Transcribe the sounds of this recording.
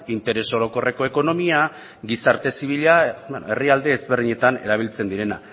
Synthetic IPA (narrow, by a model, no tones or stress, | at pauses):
int̪e̞ɾe̞so̞ɾo̞ko̞re̞ko̞e̞ko̞no̞mia | ɡisaɾt̪e̞siβ̞iʎaene̞riald̪e̞ːzβerðiɲe̞t̪ane̞̰ɾaβ̞ilt͡se̞nd̪iɾe̞na̰